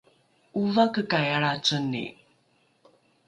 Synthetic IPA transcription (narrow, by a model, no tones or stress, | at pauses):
ʔuvakəkajaɭat͡sənːḭ